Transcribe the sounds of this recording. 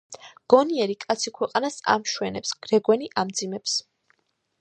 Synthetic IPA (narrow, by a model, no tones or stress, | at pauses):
ɡ̥ɔniɛɾikʼat̪sʰikʰwɛqʼanasa̰mʃwɛnɛpsɡ̥ɾɛɡwɛniʔamd̪zimɛps